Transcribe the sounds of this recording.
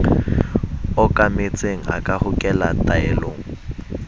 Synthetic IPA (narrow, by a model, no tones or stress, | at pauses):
ɔkʼamet͡sʼeŋ̩a̰kʼahʊkʼɛlatʼaɛloːŋ̩